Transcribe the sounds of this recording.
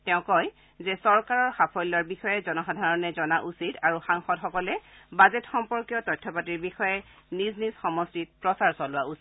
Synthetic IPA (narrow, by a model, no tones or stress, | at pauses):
tɛʊ̃kɔj | zɛsɔɹkaɹɔɹxapʰɔjlːɔɹbixɔjɛzɔnɔxadʱaɹɔnɛzɔnaʔusidaɹuxaŋxɔtxɔkɔlɛbazɛtxɔmpɔɹkjɔtɔjtʰːɔpatiɹbixɔjɛniznisxɔmɔstit̚pɹɔsaɹsɔlʊwaʔusit